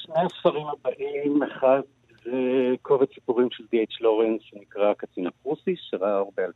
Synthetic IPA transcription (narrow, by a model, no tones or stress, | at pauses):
ʃneasfaʁimabaʔimaχat̪ | zekʰovesi̥puʁimʃeld̪iet͡ʃlo̞ʁensʃenikʁakat͡sinapʁusiʃeʁaaaʁbeal